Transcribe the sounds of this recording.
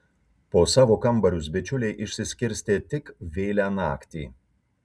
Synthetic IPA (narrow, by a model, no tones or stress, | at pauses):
poːsɑːʋoːkɐmˑbɐɾʲʊs̬bʲɛt͡ʃʲʊlʲeɪʔɪʃʲsʲɪsʲkʲɪɾʲsʲt̪ʲeːt̪ʲɪkʋʲeːlʲænɑ̰ːkt̪ʲḭː